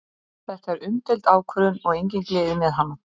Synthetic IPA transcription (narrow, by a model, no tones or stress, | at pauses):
θɛht̪aɛɾʏmt̪ɛlt̪aːwkʰvœɾʏnɔɣejɲcɪŋklɛːðɪmɛðɦanːa